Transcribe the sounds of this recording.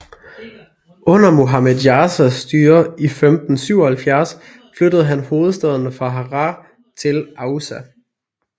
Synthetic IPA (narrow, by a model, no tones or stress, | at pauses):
ɔ̽nɐmo̝ɦɑmedˠjɑsæsd̥yːɐifemd̥n̩syʊɐhælfjæɐs | flød̥əð̞̩ˠɦænho̝ːð̞̩ˠsd̥æð̞ˠənəfʁɑ̈ɦɑʁɑ | t͡sʰe̝lɑ̈ʊsæ